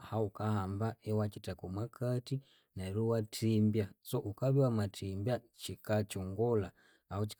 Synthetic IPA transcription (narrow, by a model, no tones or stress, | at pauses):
haukahambaɛwat͡ʃitakɔmwakati | naɾuwatʰimbjasɔʔukaβiwamatimbja | t͡ʃikat͡ʃɔŋɡɔlaː | ut͡ʃi̥